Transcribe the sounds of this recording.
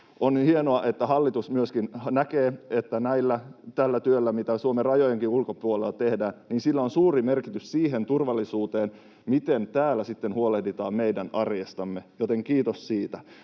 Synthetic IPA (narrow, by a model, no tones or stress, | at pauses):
ʔonhienoɑʔet̪ːæhɑlːit̪usmyøskinnækeːet̪ːænæilːæt̪ælːæt̪yølːæmit̪æsuomerɑjojeŋkiulkopuolelːt̪ehdæːnniːnsilːæonsuːɾimerkit̪yssiːɦe̞nt̪urʋɑlːisuːt̪eːn | mit̪ent̪æːlːæsit̪ːenhuolehdit̪ɑːmmeidænɑrjest̪ɑmːejot̪eŋkiːt̪ossiːt̪æ